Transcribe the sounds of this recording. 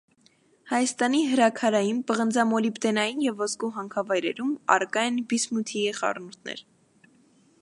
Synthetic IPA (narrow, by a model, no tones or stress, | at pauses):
hɑjɑst̪ɑniɦəɾɑkʰɑɾɑjinpəʁənd͡zɑmɔlipt̪ɛnɑjinjɛvːɔskuɦɑŋkʰɑvɑjɾɛ̰ɾumɑ̰ɾkɑjɛnbismut̪ʰiɛχɑ̰rnut̪ʰnɛ̰ɾ